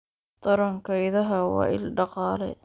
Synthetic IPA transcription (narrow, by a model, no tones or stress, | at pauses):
t̪ɐɾɐŋkʰɐjðɐɦɐwɑ̰ːʔɪ̰lɖɑqɑːlɛ̰